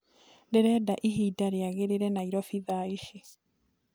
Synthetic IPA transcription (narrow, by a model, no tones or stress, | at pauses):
ndeɾɛːdaʔiɦiːdaɾeaɣeɾeɾɛnaiɾɔfiðaiʃi